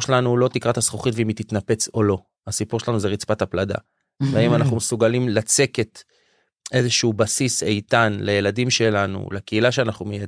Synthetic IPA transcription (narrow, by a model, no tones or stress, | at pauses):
ʃelanulo̞t̪ikʁat̪asχoχit̪veimit̪it̪nape̞t͡so̞lo̞ | asipuʁʃelanuzeʁit͡spat̪haplad̪a̰ | veaimanaχnumesuɡalimlat͡se̞ke̞t̪ | ʔe̞zeʃubasisejt̪anlejeladimʃe̞lanṵlekeilaʃeanaχnumeja